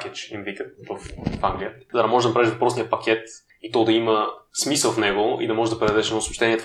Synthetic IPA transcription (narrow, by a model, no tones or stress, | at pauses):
kɛt͡ʃimvik̪əvəfaŋɡlʲijəzɐd̪ɐmɔʒɛd̪ɐnɐpɾavɛiʒvɐpɾɔsnijəpɐkʰʲɛt̪ | it̪ɔd̪ɐiməsmisəlˠfnɛɡʊḭd̪ɐmɔʒɛd̪ɐpɾɛnɐd̪ɛʃɛnosʊʃt̪ɛnʲiɛt̪